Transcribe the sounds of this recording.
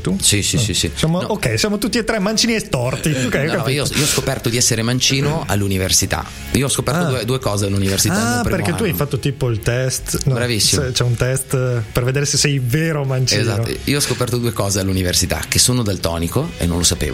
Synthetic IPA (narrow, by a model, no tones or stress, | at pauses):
t̪usisisisisjamookɛjsjaːmot̪ut̪ːiet̪ːɾɛmːant͡ʃiːniest̪ɔrt̪iokːɛjokkeioḭoɔskopɛrt̪od̪iɛsːeɾemant͡ʃiːnoa̰lːuniversit̪a̰ | iːoɔskopɛɾt̪od̪ued̪uekɔːzealːuniversit̪apɾperkket̪uajfat̪ːot̪iːpoilt̪ɛst̪nbɾavisːit͡ʃɛt͡ʃɛunt̪ɛst̪perved̪eːɾesesːɛjveːɾomant͡ʃizno̰iːoɔskopɛrt̪od̪uːekɔːzealːuniversit̪a̰k̟ːesoːnod̪elt̪ɔ̰ːnikoḛnːõnlosapḛːvo